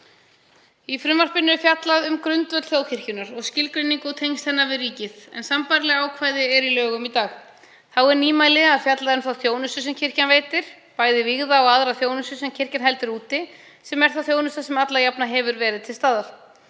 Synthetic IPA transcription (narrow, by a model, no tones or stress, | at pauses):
ifɾʏmvar̥pɪnːɪɾfjat̪laðʏmkɾʏnt̪vœt̪θjoːwcʰɪr̥cʏnaɾɔɣscɪlkɾɪnːiŋkɔwt̪ʰejnst̪hɛnːavɪðriːcɪðɛ̰nsampaɾlɛɣaːwkʰvaːjðɪɛɾilœːɣʏmit̪aːɣ | θawɛɾniːmaːjlɪaðfjat̪laðɛnθawθjoːwnʏst̪ʏsɛmcʰɪr̥canveːjt̪ɪɾ̥ | paːjðɪviɣðaɔɣaðɾaθjoːwnʏsʏsɛmcʰɪr̥canɦɛjlt̪ɪɾuːt̪ɪ | sɛmɛɾ̥θawθjoːwnʏst̪asɛmat̪lajapnaɦɛvʏɾvɛːɾɪðt̪ʰɪlst̪aːðal